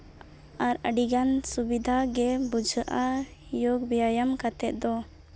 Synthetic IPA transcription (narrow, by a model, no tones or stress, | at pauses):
aɾə̰ɖiɡansubid̪ʱaɡɛbud͡ʒʱəʔajoɡ̚bijajamkat̪ɛt̪̚d̪ɔ